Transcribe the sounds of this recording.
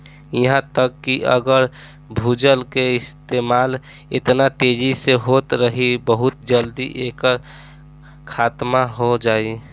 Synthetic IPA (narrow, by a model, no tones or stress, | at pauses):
iɦãt̪əkːiʔə̰ɡəɾ | bʱud͡ʒəlkeɪst̪emaːl | ḛt̪nat̪ed͡ʒiseɦot̪ɾəɦibəɦut̪d͡ʒəld̪iʔekəɾ | kʰaːt̪maɦod͡ʒaːi